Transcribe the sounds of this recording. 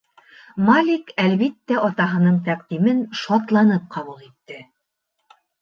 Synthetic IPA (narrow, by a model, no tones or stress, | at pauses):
malʲikælβit̪ːæʔɒt̪ɑɦɤ̆nɤɴt̪æqd̪imɘnʃɑt̪lˠɑnɤp̚qʰɑβɤlˠit̪ːɘ